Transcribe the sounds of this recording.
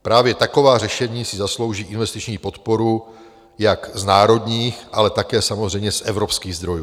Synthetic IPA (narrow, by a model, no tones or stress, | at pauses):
pɾaːvjɛt̪ako̞vaːr̝ɛʃɛɲiːsɪzaslo̞wʒiːʔɪnvɛst̪it͡ʃɲiːpo̞t̪po̞ɾu | jakznaːɾo̞d̪ɲiːxʔalɛt̪akɛːsamo̞zrɛjmɲɛsʔɛvɾo̞pskiːɣzd̪ɾo̞juː